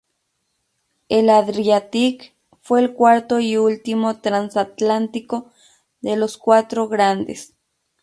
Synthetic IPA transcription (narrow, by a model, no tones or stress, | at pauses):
elaðɾiat̪ik | fweːlkwaɾt̪oiult̪imot̪ɾansat̪lant̪iko | d̪eloskwat̪ɾoɣɾand̪ḛs